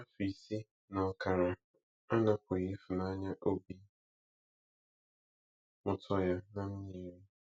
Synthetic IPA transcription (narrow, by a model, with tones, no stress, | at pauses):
a˦fi˨si˦ | nɔ˨kʰa˨ɾa˨ | a˦na˦ko˨je˦fu˨na˦ɲa˦ʔo˦bi˦ | mʊ˨tʰɔ˨ja˦nã˨m̩˦ɲi˦ɾi˦